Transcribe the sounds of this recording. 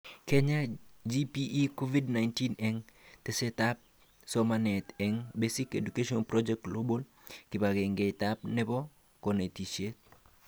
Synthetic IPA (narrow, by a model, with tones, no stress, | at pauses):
ke˦ɲa˦d͡ʒipi˦ʔːko˦vi˦dna˨jnti˦nɛŋte˨se˦tap̚ | sɔmanɛ˨tɛ˨ŋbesi˦ke˨du˨ke˦ʃɔnpɾɔd͡ʒɛk̚tlo˦bo˦l | kɪ˨ba˨ɡɛ˨ŋɡe˨ta˦p̚nɛ˦bɔ˦ | kɔne˨ti˨ʃe˦t̚